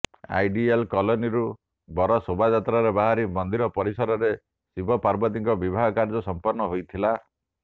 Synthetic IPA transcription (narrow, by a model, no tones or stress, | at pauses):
a̰jɖialkɔlɔniɾu | bɔɾɔsobʱad͡ʒat̪ɾaɾebaɦaɾimɔnd̪iɾɔpɔɾisɔɾɔɾe | sibʱɔpaɾbɔt̪iŋkɔbibʱaɡɔkaɾd͡ʒɔsɔmpɔɾnɔɦojt̪ʰila